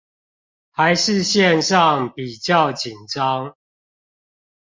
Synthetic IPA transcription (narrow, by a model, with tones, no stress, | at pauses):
ha˨˦ɪʂɻ̩˥˧ɕjɛ˥˨nʂɑ˥˨ŋpi˨˩t͡ɕjɑ˥˨ʊt͡ɕi˨˩nʈ͡ʂɑ˦ŋ